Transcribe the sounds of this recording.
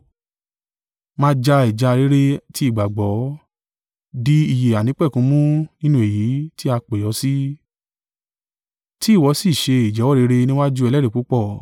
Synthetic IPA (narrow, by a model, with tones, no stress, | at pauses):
mãː˦d͡ʒa˧i˨d͡ʒa˨˧ɾe˦ɾe˦ti˦i˦˨ɡ͡ba˨ɡ͡bɔ˨˦ | di˦i˧˨je˨a˨nĩ˨˦k͡pɛ˦˨kũ˨˦mũ˦nĩ˦nũ˦e˨ji˨˦ti˦a˧k͡pe˨jɔ˨˦si˦ | ti˦˨wɔ˨˧˦si˦˨ʃe˧i˨d͡ʒɛ˨˦wɔ˦˨ɾe˨˦ɾe˧nĩ˦wa˦d͡ʒu˦ɛ˧lɛ˦ɾe˦˨k͡pu˨˦k͡pɔ˦˨